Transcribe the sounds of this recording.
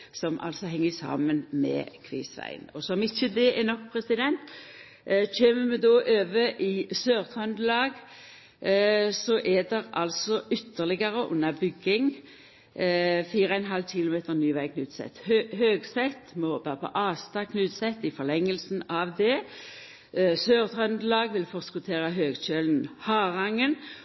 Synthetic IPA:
sɔmʔɑ̰lsɔɦɛŋːəsɑ̰ːmənmɛ̰kʰʋḭːsʋæ̰ɪnɔsɔmɪçəd̪ɛʔɛnɔkːpʰʁɾɛsɪd̪ɛnt̪ | çeːməmɛd̪oːʔøːʋəʔɪsøːʁt̪ʰʁɑnd̪lɑːɡ | sɔʔɛd̪ɛɾɑ̰lsɔʔʏt̪ːəlɪɡəɾəʔʊ̰nːɑbʏɡɪŋ | fiːɾəæɛnɦɑlːçɪlʊmeːt̪əʁnyːʋæɪkʰnʉːt̪sɛ̰t̪ːhøhøːɡsɛt̪ːmɔhoːbɑpʰɔ̰ʔɑːst̪ɑkʰnʉːt̪sɛt̪ːɪfɔlɛŋːəlsn̩ɑʋd̪ɛ | søːʁt̪ʰʁœnd̪əlɑːɡʋɪlfɔʁskʉt̪ʰeːʁəɦøːɡɕølnhɑːʁɑŋːən

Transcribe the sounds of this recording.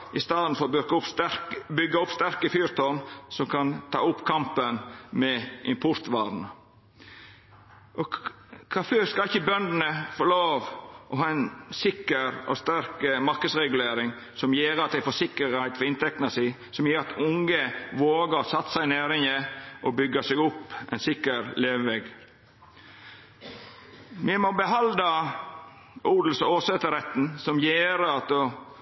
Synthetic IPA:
ʔɪst̪ɑːd̪n̩fɔɾɔbʏɾkʊpsɾbʏɡːɑʊpst̪æɾkəfyːɾt̪ʰɔnsɔmkʰɑnt̪ʰɑ̰ːʊpːkʰɑmpənmɛʔɪmpʰʊɾt̪ʋɑːɾn | ʔɔ | kʰɑføskɑɪçːəbœnd̪nəfɔɾloːʋʔɔɦɑːɛnsɪkːəɾɔ̰st̪æɾkəmɑɾkəd̪sɾɛɡʉleːɾɪŋ | sɔmjeːɾəɑt̪d̪æɪfɔsɪkəɾhæɪt̪fɔɪnt̪ɛk̚t̪nɑsi | sɔmjeːɾɑt̪ʰʊŋəʋoːɡəɾsɑt̪ːsæɪneːɾɪŋəʔɔbʏɡːɑsɛɡʊpːɛ̰ɪnsɪkːəɾleːʋʋɛɡ | mɛmɔbəɦɑld̪ɑ | ʔuːd̪l̩sɔoːsɛt̪əɾɛt̪n̩sɔmjeːɾəɑt̪ɔ

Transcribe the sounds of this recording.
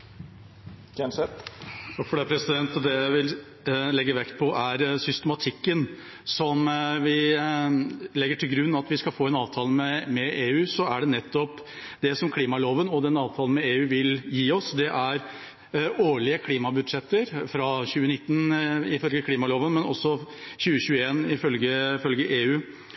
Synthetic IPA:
ɡɛnsɛt̪ɑfɔɖɛpʰɾɛsɪd̪ɛnt̪ɔd̪ɛjæʋɪl | lɛɡːəʋɛkt̪̚pʰɔʔæɾsʏst̪əmɑt̪ʰɪkːən | sɔmʋɪ | lɛɡːəʈʰɪlɡɾʉnːɑt̪ʋɪskɑfoːɛnɑːʋt̪ʰɑːləmɛmɛeːʉːsɔæɖɛnɛt̪ːɔp | d̪ɛsɔmkʰliːmɑloːʋənɔd̪ɛnɑːʋt̪ʰɑːln̩mɛeːʉːʋɪljiːɔsd̪ɛʔæɾ | oːɭɪəkʰliːmɑbʉd̪ʂɛt̪ːəɾfɾɑçʉːənɪt̪ːn̩ɪfœlɡəkʰliːmɑloːʋənmɛnɔ̰sːɔçʉːəçʉːəeːnɪfœlɡəfœlɡəʔeːʉː

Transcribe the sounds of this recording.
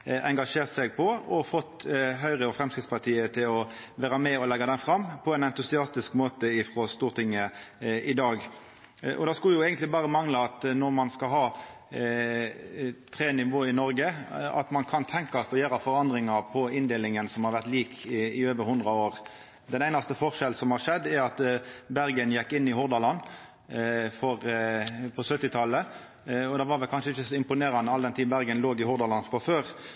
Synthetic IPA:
ʔɛŋɡɑʂeːʁt̪sɛɡ̚pʰɔɔfɔt̪ːɦœʏʁəɔfʁɛmskɾɪt̪spɑt̪ʰiːət̪ʰɪlɔ | ʋæːɾɑmɛɔlɛɡːɑd̪ɛnfɾɑmːpʰɔɛnɛnt̪ʊsɪɑst̪ɪskmoːt̪əɪfʁɔst̪uːʁt̪ʰɪŋːəʔɪd̪ɑːɡ | ʔɔ̰d̪ɑskʉljʊɛːɡənt̪lɪbɑːʁəmɑŋləɑt̪nɔʁmɑnskɑɦɑː | t̪ʰʁeːnɪʋoːɪnɔɾɡəɑ̰t̪mɑnkʰɑnt̪ʰɛŋkɑst̪ɔjøːɾɑfɔʁɑnd̪ʁɪŋɑʁpʰɔɪnd̪eːlɪŋənsɔmhɑɾʋæʁt̪liːkʰɪøːʋəɾhʊnd̪ɾɑoːʁ | d̪ɛnæɪnɑst̪əfɔʁʂɛl̩sɔmhɑʁʂɛd̪ːɛɾɑt̪bæɾɡənjɛkːɪnːɪhʊɾd̪ɑlɑn | fɔʁpʰɔsœt̪ːɪt̪ʰɑlːə | ɔd̪ɛʋɑːɾʋɛlkɑnʂəɪçːəsɔɪmpʊneːɾɑnəɑld̪ɛnt̪ʰiːbæɾɡənloːɡɪhʊɾd̪ɑlɑnfɔføːɾ

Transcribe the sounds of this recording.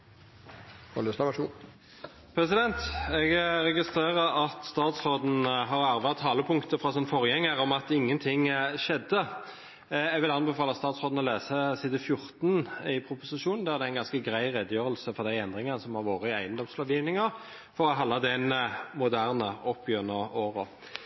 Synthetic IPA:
hɔləsɑʋu | pʰɾɛsɪd̪ɛnt̪ɛɡʁɛɡɪst̪ʁeːʁəɾɑt̪st̪ɑːt̪sʁoːd̪n̩ɦɑʁɑʁʋɑt̪ʰːɑːləpʰʊŋkt̪əfɾɑsɔnfɔʁjɛŋːəʁɔmɑt̪ɪŋːənt̪ʰɪŋʃɛd̪ə | ɛɡʋɪlɑnbəfɑːlɑst̪ɑːt̪sʁoːd̪n̩ɔleːsəsiːd̪fjʊʁt̪nɪpʰɾʊpʊsɪʃuːnn̩d̪ɛæd̪ɛæɪnɡɑnskəɡɾæɪʁɛd̪jøːʁəlsəfɔʁd̪æɪɛnd̪ʁɪŋɑnəsɔmhɑʁʋoːʁəɪæɪənd̪ɔmslɑʋjiːʋnɪŋəʁ | fɔɾɔɦɑlːɑd̪ɛnmʊd̪æʁnəʔɔpʰjøːnəoːʁɔ

